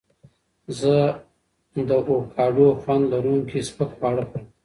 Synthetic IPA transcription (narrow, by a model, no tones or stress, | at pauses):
zə | d̪əʔokʰɑːɖoxwand̪laɾuŋkispəkxwɑɽəxum